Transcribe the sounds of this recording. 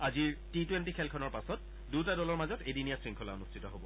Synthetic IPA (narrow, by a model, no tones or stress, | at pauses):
aziɹtitwentikʰɛlkʰɔnɔɹpasɔt̚ | dutadɔlɔɹmazɔtejdinijasɹiŋkʰɔla̰onustʰitɔɦobɔ